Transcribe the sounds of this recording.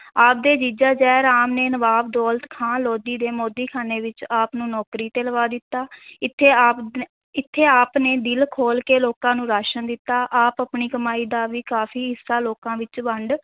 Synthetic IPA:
aːp̚d̪eːd͡ʒiːd͡ʒaːd͡ʒɛːɾaːmneːnəʋaːbd̪ɔːlt̪kʰãːloːd̪iːd̪eːmoːd̪iːkʰaːneːʋɪt͡ʃaːpnũːnɔːkɾiːt̪eːləʋaːd̪ɪt̪ːaːɪt̪ʰːe | ɪt̪ʰːeːaːpneːd̪ɪlkʰoːlkeːloːkãːnũːɾaːʃənd̪ɪt̪ːaːʔaːpapniːkəmaːiːd̪aːʋiːkaːfʰiːɦɪsːaːloːkãːʋɪt͡ʃbəɳɖ

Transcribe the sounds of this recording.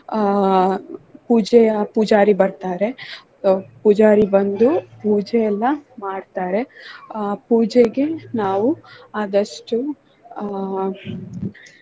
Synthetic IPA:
puːd͡ʒɛjɐpud͡ʒaːɾibɐɾt̪aːɾe̞ | pud͡ʒaːɾibɐnd̪upuːd͡ʒɛjɛlːɐmaːɖt̪aːɾe̞ | puːd͡ʒeɡe̞naːʋuaːd̪ɐʂʈu

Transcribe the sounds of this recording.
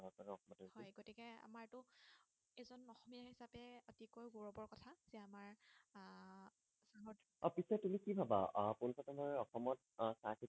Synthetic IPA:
ɦɔkɔnɔxɔmɔthɔjɡotikɛa̰maɹtʊ | ɛzɔnɔxɔmijaɦisapɛotikojɡoɹɔbɔɹkɔtʰaz̥ɛamaɹ | saɦɔt | ɔpisɔtumikibʱaba̰punpʰɔtamɔɹɔxɔmɔt̚ | saki

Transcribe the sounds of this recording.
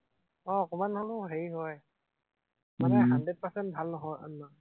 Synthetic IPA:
ɔkɔmanhɔlʊɦeɹiɦɔj | manɛɦandɹɛt̚pasɛnt̚bʱalnɔɦɔjɔ̰nːɔ

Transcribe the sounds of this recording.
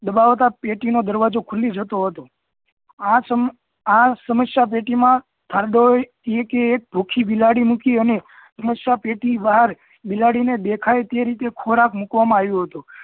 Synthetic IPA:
d̪əbaʋt̪apeʈinod̪əɾʋad͡ʒokʰulːid͡ʒʱət̪oɦət̪o | ãsəm | ãsəməsjap̬eʈimã | t̪ʰaɾd̪o | ekeːk̚bʱukʰibilaɽimukiəne | səməsjapeʈibaɦəɾ | bilaɽined̪ekʰajt̪eɾit̪ekʰoɾakmukʋamãaʋjõɦət̪u

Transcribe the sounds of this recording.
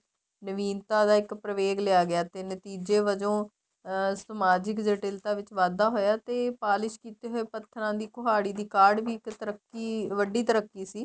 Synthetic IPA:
nəʋiːnt̪ãːd̪aːɪkpɾəʋeːɡleaːɡɪaːt̪eːnət̪iːd͡ʒeːʋəd͡ʒõː | səmaːd͡ʒɪkd͡ʒeːʈɪlt̪ãːʋɪt͡ʃʋaːd̪aːɦoːjaːt̪eːpaːlɪʃkiːt̪eːɦoːeːpət̪ʰːəɾãːd̪iːkoɦaːɽiːd̪iːkaːɾɖʋiːɪkt̪əɾəkːiːʋəɖiːt̪əɾəkːiːsiː

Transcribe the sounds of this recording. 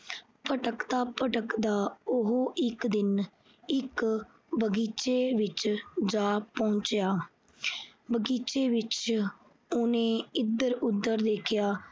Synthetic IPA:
pəʈəkd̪aːpəʈəkd̪aːʊɦoːʔɪkd̪ɪn | ɪk | bəɡiːt͡ʃeːʋɪt͡ʃd͡ʒaːpɔ̃ːnt͡ʃjaː | bəɡiːt͡ʃeːʋɪt͡ʃ | ʊnẽːɪd̪əɾʊd̪ːəɾd̪eːkʰɪjaː

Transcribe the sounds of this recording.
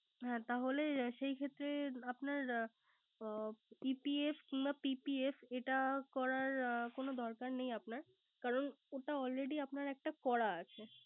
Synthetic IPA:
ɦɛ̃t̪aɦoleʃejkʰet̪ːɾeapnaɾ | pipiefkiŋbapipiefeʈakɔɾaɾkonod̪ɔɾkaɾnejapnaɾ | kaɾonoʈaɔlɾeɖiapnaɾɛk̚ʈakɔɽaat͡ɕʰe

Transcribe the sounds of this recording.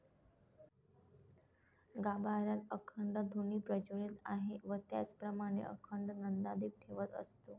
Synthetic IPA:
ɡabaɾjat̪əkʰəɳɖəd̪ʱuniːpɾəd͡ʑuɽit̪aɦeʋət̪ja̰t͡spɾəmaɽ̃ḛʔə̰kʰəɳɖnənd̪ad̪ip̚ʈʰeʋət̪ə̰st̪o

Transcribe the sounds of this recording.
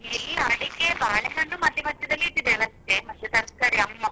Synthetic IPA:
ilːɐɐɽikːebaːɭeɦɐɳːumɐd̪ʱjɐmɐt̪ːjɐd̪ɐlːiʈ̪ːid̪eɐlɐst̪ːemɐt̪ːjut̪ɐɾskaɾiɐmːɐ

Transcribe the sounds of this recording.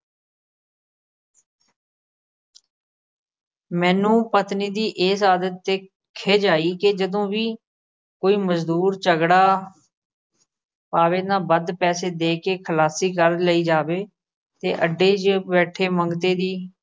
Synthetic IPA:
mɛ̃ːnũːpət̪niːd̪iːʔɪːsaːd̪ət̪ːeː | kʰeːd͡ʒaːiːkɪd͡ʒəd̪õːʋiː | koːiːməzd̪uːɾt͡ʃəɡɽaː | paːʋeːnãːbəd̪pɛːseːd̪eːkeːkʰəlaːsiːkəɾləiːd͡ʒaːʋeː | t̪eːʔəɖeːd͡ʒbɛːʈʰeːməŋɡt̪eːd̪iː

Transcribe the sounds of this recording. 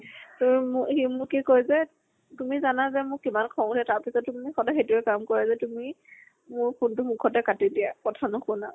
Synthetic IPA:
tuimhimʊkikojzɛ | tumizanazɛmʊɹkimankʰɔŋdɛtaɹpisɔtːumixɔdaxetʊɛkamkɔɹɛzɛtumi | mʊɹpʰʊntʊmukʰɔtɛkatidijakɔtʰanʊkʰʊna

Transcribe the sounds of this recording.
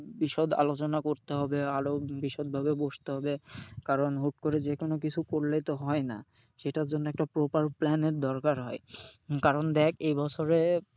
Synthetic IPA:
biʃod̪a̰lot͡ɕonakoɾt̪eɦɔbeaɾobiʃod̪̚bʱabeboʃt̪eɦɔbekaɾonɦuʈ̚koɾed͡ʑekonokit͡ɕʰukoɾlet̪oɦɔena̰ | ʃeʈaɾd͡ʑonːoɛk̚ʈapɾopaɾplɛneɾd̪ɔɾkaɾɦɔekaɾond̪ɛkʰejbɔt͡ɕʰoɾe

